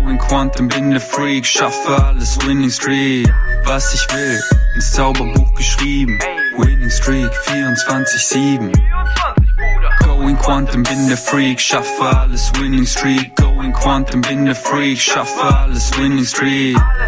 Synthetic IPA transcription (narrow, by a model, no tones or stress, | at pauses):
ɪ̃ŋkʰw̥ãntə̃mbɪ̃ndəfɹiːɡʃafaləswɪ̃nɪ̃ŋstɹ̥iːt̚v̥ɛsɪʃwɪ | ə̃nsɛlbəbʊk̚ɡ̥əʃɹiːvm | wɪnɪ̃ŋstɹ̥iːkfiːɹə̃ntʰwãntɪçsiːvm̩ | ɡ̥oʊɪ̃ŋkʰw̥ãntə̃mbɪ̃ndəfɹiːɡ̥ʃafaləswɪ̃nɪ̃ŋstɹ̥iːʔ̚ɡ̥oʊɪ̃ŋkʰw̥ãntə̃mbɪ̃ndəfɹiːɡ̥ʃafaləswɪ̃nɪ̃ŋstɹ̥iːt̚